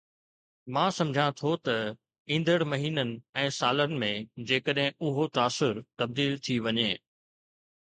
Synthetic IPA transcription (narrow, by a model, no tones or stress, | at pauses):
mãːsɐ̃md͡ʑʱãt̪ʰot̪ɐ | ĩːn̆d̪əɽmɐɦiːnənɪ̆ɛ̃ːsaːlənɪ̆mẽd͡ʑeːkəɗɦɪ̃ʊɦot̪aːsʊɾt̪ɐb̚d̪iːlt̪ʰiʋɐɲeː